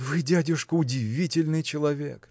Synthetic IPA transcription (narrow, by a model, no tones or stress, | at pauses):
vɨdʲædʲɪʂkəʊdʲɪvʲitʲɪlʲnɨjt͡ɕɪlˠɐvʲḛk